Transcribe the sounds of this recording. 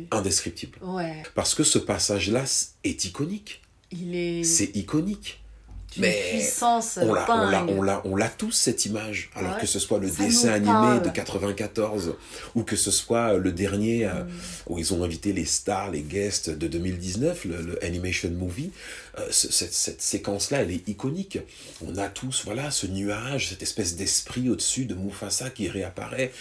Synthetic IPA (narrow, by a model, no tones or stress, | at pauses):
ɛ̃d̪eskχip̚t̪ʰiblpaʁsə̥kəsəpasaʒlasɛt̪ikɔnik | sɛikɔnik | mɛpĩɔ̃la̰ɔ̃laʔɔ̃laʔɔ̃lat̪usːɛt̪imaʒa̰lɔʁkəsəswaləd̪esɛ̃animed̪əkat̪χəvɛ̃kat̪ɔʁz | ukəsəswaøləd̪ɛʁnjeøṵilzɔ̃ɛ̃vit̪elest̪aʁleɡʲɛst̪d̪əd̪ømild̪iznœflələʔanimeʃɔnmuviø̰səsɛt̪sɛt̪sekɑ̃slaɛlɛikɔnik | ɔ̃nat̪ʰusvwalasənyaʒsɛt̪ɛspɛsd̪ɛspχiod̪əsyd̪əmufasakʲiʁeapa̰ʁɛ